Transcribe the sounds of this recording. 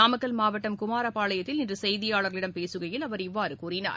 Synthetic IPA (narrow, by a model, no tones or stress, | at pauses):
aːmɐkːɐlmaːʋɐʈːɐmkʊmaːɾɐpaːɭɐjɐt̪ːɪlɪndrɯsɛjðɪjaːɭɐɾɣɐɭɪɽɐmpeːsɯɣɐjɪlɐʋɐɾɪʋːaːɾɯkuːrɪna̰ːɾ